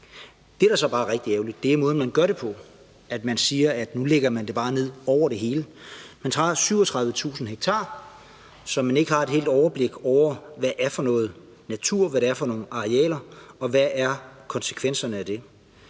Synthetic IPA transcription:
d̥e̝æɐɾæɐsɒ̽b̥ɑ̈ːʁɛɡ̥̚d̥ieʊlid̥ːeæɐmɔ̽ːð̩ˠmænɡ̥ɶɐɾe̝pʰɒ̽ | æd̥mænsiːɐæd̥nuleɡ̥ɐmænd̥e̝b̥ɑ̈ːne̝ð̞̰ˠɒʊ̰ɐɾ̥e̝ɦe̝ːləmænt͡sʰʁɑ̰̈ːsyʊɒt͡sʰʁɑ̈ðˠʋət͡sʰṵːsn̩ɦeɡ̥̚t͡sʰɑ̰̈ː | sɒ̽mæne̝ɡ̥əhɑ̈e̝d̥he̝̰ːld̥ɒʊɐb̥le̝ɡ̥ɒʊ̰ɐʋæʔːɐfɒ̽nɔ̽ːð̞̩ˠ | næt͡sʰuɐ̰ʋæɾeæɐfɒ̽no̝ːn̩ɑ̈ʁiɛ̰ːlɐɒ̽ʋæʔæɐkʰɒ̽nsə̥kʰʋen̰sɐnəæd̥e̝

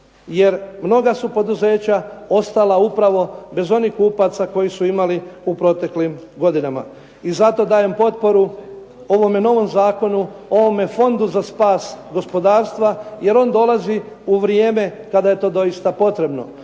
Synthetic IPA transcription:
je̞ɾmno̞ɡasupo̞d̪uze̞ːt͡ɕao̞st̪alˠaupɾaʋo̞be̞zo̞nihkːuːpat̪sako̞jisuimaliupɾo̞t̪e̞klim | ɡo̞d̪inama̰ | izat̪o̞d̪aːje̞mpo̞t̪̚po̞ɾu | o̞ʋo̞me̞no̞ʋo̞mzaːko̞nuo̞ʋo̞me̞fo̞nd̪uzaspaːsɡo̞spo̞d̪aːɾst̪ʋaje̞ɾo̞ːnd̪o̞lˠazi | uʋɾjeːme̞kad̪aje̞t̪o̞ːd̪o̞jist̪apo̞t̪ɾe̞bno̞̰

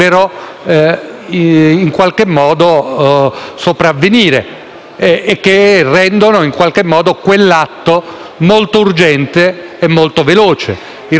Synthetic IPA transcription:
peɾɔ | iiŋkwalk̟emːɔːd̪o | sopɾavːeniːɾḛː | kːerːɛnd̪onoiŋkwalk̟emːɔːd̪okwelːat̪ːo | molt̪ourd͡ʒɛnt̪eːmːolt̪oveloːt͡ʃḛ | i

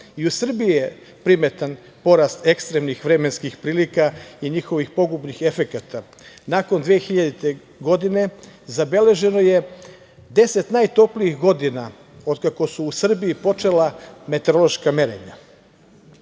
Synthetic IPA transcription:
iusr̩biije | pɾime̞t̪an | po̞ɾaːst̪e̞kst̪ɾemnixʋɾe̞menskixpɾiːlikaiɲixo̞ʋixpo̞ɡubnixe̞fe̞kat̪ʰa | nako̞nd̪ʋeexiʎad̪it̪e̞ | ɡo̞d̪ine̞zabe̞le̞ʒe̞no̞je̞ | d̪e̞set̪naːjt̪o̞pliixɡo̞d̪ina | o̞d̪kako̞suːsr̩biipo̞t͡ʃe̞lame̞t̪eɾo̞lˠoʃkameɾḛɲa̰

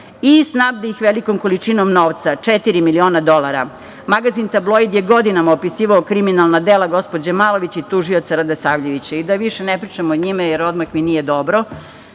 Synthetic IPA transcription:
isnabd̪aixʋelikomkolit͡ʂinomnoːʋt̪sat͡ʂet̪iɾimilio̞ːnad̪o̞lˠaɾa | maɡazint̪ablˠo̞jd̪jeɡo̞d̪inamaopisiːʋaokɾiminalˠnad̪elˠaɡo̞spo̞d͡ʑamalˠo̞ʋit͡ɕit̪uʒiot̪saɾad̪esaʋʎeʋit͡ɕaid̪aʋiʃenepɾit͡ʂemoɲimajeɾo̞d̪maxminijed̪o̞bɾo

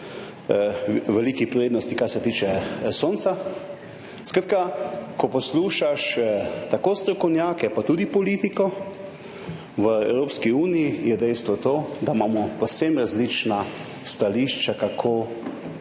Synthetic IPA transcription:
ʋɛliːkipɾeːd̪nɔst̪ikasɛt̪iːt͡ʃɛsoːnt̪sa | skɾat̪̚kakɔpɔsluːʃaʃt̪akoːst̪ɾɔkɔwnjaːkɛpat̪uːd̪ipɔliːt̪ikɔ | ʋəɛwɾoːpskiuːnijijɛd̪ɛjst̪ʋɔt̪oːd̪amaːmɔpowsemɾazlit͡ʃna | st̪aliʃt͡ʃakakʰo

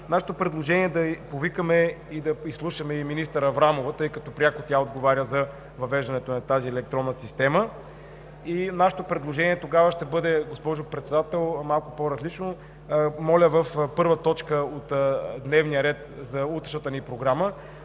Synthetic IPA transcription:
naʃɛ̥t̪opɾɛd̪lˠoʒɛniɛd̪ɐpovikəmɛ | id̪ɐislˠuʃəmɛiminist̪əɾɐvɾamovət̪ɤjkɐt̪ɔpɾʲjakot̪ʲaod̪ɡovaɾʲjəzɐ | vɐvɛʒd̪ɐnɛt̪onɐt̪aziɛlɛk̚t̪ɾɔnːəsist̪ɛmə | inaʃɛ̥t̪opɾɛd̪lˠoʒɛniɛt̪oɡavəʃt̪ɛbɤd̪ɛɡospɔʒʊpɾɛt̪sɛd̪at̪ɛlˠmalˠkʊpoɾɐzlit͡ʃno | mɔlʲəvəfpɤɾvət̪ɔt͡ʃkəot̪d̪nɛvnijəɾɛt̪zɐut̪ɾɛʃət̪ənipɾoɡɾamə

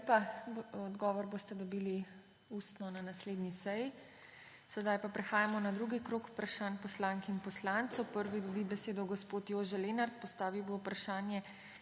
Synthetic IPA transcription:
paɔd̪ɡɔːʋɔɾboːst̪ɛd̪ɔbiːli | ust̪nɔnanasleːd̪nisɛji | sɛd̪ajpapɾɛxaːjamɔnad̪ɾuɡikɾoːku̥pɾaʃaːnpɔslaŋkɛinpɔslant̪sɔwpəɾʋid̪ɔbibɛseːd̪ɔɡɔspoːt̪joːʒɛleːnaɾt̪̚pɔst̪aːʋiwboupɾaʃaːnjɛ

